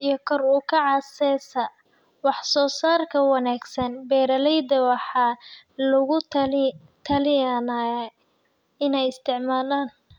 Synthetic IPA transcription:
ʔijɞkʰɔruːkʰɐʕɑːsɛsɐ | wɑħsɔːsaːrkʰɐwɑnaːɡsɐnbɛːɾɐlɛjd̪ɐwɑħɑːlʊɣʊl | t̪ʰɐlɪjana | ɪnɛjɪst̪ʰɪʕmaːlaːn

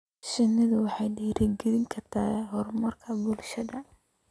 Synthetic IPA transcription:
ʃɐnːɪðʊwɑħɑjɖɛːɾɛɡɛðɪŋkʰɐrt̪ʰaːɦɔrmɐrkʰɐbʊlʃɐdɐ

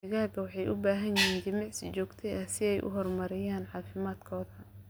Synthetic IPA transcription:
ɪɣaːɣɐwɑħɑjʔʊbaːɦɐnjɪɦiːnd͡ʒɪmɑʕsɪt͡ʃɔːɡt̪ʰɛjʔɐhsɪɛjʔʊ̰ɦɔrmɐɾɪjaːnħɑːfɪmaːd̪kʰɔːðɐ

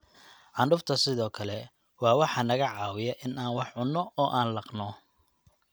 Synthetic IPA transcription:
ʕɑnɖʊft̪ʰɐsɪðɔːkʰɐlɛ | wɑːwɑħɑnɐɣɐʕɑːwɪjɐʔɪnaːnwɑħʕʊnːɔɔːʔaːnlɑqnɔ

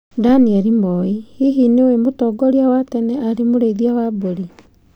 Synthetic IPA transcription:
daniɛɾimɔihiɦinewemotɔɡɔɾiawatɛnɛaɾemoɾeiðiawaboɾi

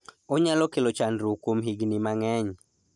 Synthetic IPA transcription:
oɲalɔkelɔt͡ʃandɾokwomɦiɡnimaŋɛɲ

